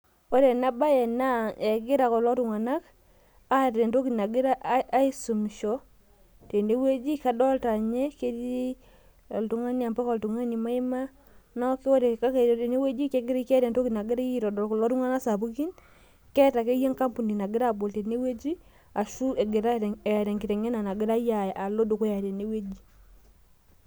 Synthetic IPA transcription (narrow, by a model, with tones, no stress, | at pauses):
o˦ɾe˨na˦ba˦jɛ˨na˦ɛ˨ɡɪ˦ɾa˨kɔ˨lɔ˦tu˨ŋa˨na˦k | a˦ɾɛ˨nto˦ki˨na˨ɡɪ˦ɾa˦ʔːi˦su˨m˨ʃɔ˨ | te˨nde˦we˦d͡ʒi˦ka˦dɔ˦lta˨ɲe˦ke˦ɾi˦ | ɔ˨ltu˨ŋa˦n˦a˨mba˦kɔ˨ltu˨ŋa˦ni˨ma˦ɪ˦ma˦ | nɔ˦ke˦wɔ˦ɾe˨ka˦ke˨ɾte˨ne˦we˦d͡ʒi˦kɛ˦ɡe˦ɾi˦kɛ˦ɾa˨nto˦kina˨ɡe˦ɾa˦i˦ɾɔ˨dɔ˨lklɔ˦tu˦ŋa˦na˦sa˨pu˦ki˦n | kɛ˦ta˨ke˦je˦ŋka˦mpu˨ni˨na˨ɡɪ˦ɾa˦bo˨lte˨ne˦we˦d͡ʒi˦ | a˨ʃu˦e˨ɡe˨ɾa˦˨ɾɛ˨ŋɡi˨ɾɛ˨ŋe˦na˨na˨ɡɪ˦ɾa˦ja˨jʔa˨lo˦do˨ko˦ja˨ɾe˨ne˦we˦d͡ʒi˦